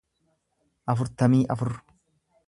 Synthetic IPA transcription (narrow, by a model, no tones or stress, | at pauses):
ʔɐfʊɾt̪ɐmiːʔɐfʊɾ